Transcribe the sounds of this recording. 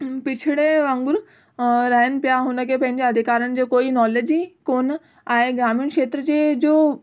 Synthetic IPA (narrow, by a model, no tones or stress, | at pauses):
pɪt͡ɕʰɪɽeʋɐ̃ŋɡʊɾ | ɾɐɦɪnɪ̆pijaɦʊnə̆kʰeːpɐ̃ɦɪ̃ɲd͡ʑeɐd̪ʱɪkaːɾənɪ̆d͡ʑeːkoːinɔːleːd͡ʑikoːn | aːɦeɡɾaːmijunkʃeːt̪ɾəd͡ʑed͡ʑoː